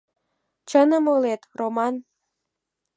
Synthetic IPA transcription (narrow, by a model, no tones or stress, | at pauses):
t͡ɕənəmolet̪romɑn